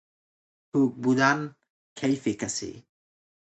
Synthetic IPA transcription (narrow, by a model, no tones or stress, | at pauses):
tʰuk̚budan | kʰejfekasḭ